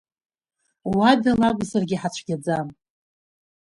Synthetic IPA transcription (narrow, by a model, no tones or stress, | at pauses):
wadalakʷʼzarɡʲiħat͡ʃʷʰɡʲad͡zam